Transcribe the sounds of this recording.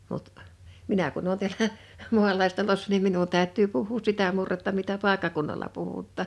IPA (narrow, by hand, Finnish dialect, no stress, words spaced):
mut minæ kun oːn tiælæ mu̞ɑlɑistɑlosːɑ nim minun tæˑø̝tˑyː puhˑuːs sitæ murːetːɑ mitæ pɑˑekːɑkunːɑlɑ puhutːɑˑ